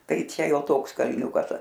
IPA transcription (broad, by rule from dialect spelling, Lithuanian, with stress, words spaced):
ˈtɐɪ ˈt͡ʃʲɛ ˈjoː ˈtoːks kɐlʲˈnʲuːkɐs